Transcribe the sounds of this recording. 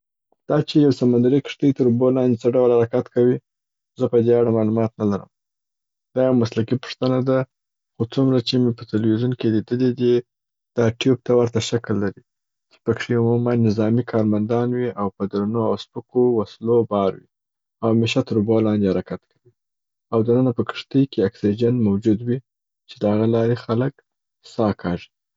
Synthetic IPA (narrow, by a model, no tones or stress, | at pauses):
d̪̥ɑt͡ʃejawsamand̪aɾikə̥ʂt̪əjt̪əɾubolɑnd̪et͡səɖawlhaɾakat̪kawi | zəpəd̪eaɽamɑlumɑt̪nalaɾə̰m | d̪̥ɑjawmaslakipʊ̥ʂt̪ənad̪a | xot͡sumɾat͡ʃemepət̪alwizunkelid̪əled̪e | d̪̥ɑʈjub̚t̪awəɾt̪aʃaklːaɾi | t͡ʃe̥pəkʂeumumanːɪzɑmikʰɑɾmand̪ɑnwiawpəd̪ɾanoawspəkowaslobɑɾwi | awmeʃat̪əɾubolɑnd̪ehaɾakat̪kʰawi | awd̪ənənapəkə̥ʂt̪əjkeaksid͡ʒanmawd͡ʒud̪wi | t͡ʃed̪əhaɣalɑɾexalək | sɑkʰɑʐi̥